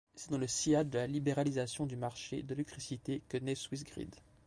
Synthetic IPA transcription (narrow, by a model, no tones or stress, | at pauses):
sɛd̪ɑ̃ləsiadd̪əlalibeʁalizasjɔ̃d̪ymaʁʃḛd̪əlɛk̚t̪χisit̪ekənɛswis̬ɡʁḭd̪